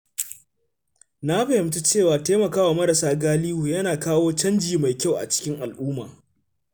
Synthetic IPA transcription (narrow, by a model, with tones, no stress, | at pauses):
na˦ɸɐ˨hɪ˨mtu˦t͡ʃeː˦˨waː˨teː˦mɐ˨kaː˦waː˨mɐ˦ɾɐ˨saː˦ɡaː˦liː˦wuː˨jɐ˦naː˨kaː˦woː˦t͡ʃɐ˦nd͡ʒiː˨ma˨jkʲa˦˨wʔa̰˨t͡ʃɪ̥˦kʲɪ˦ŋʔa˨lʔuː˦ma̰ː˨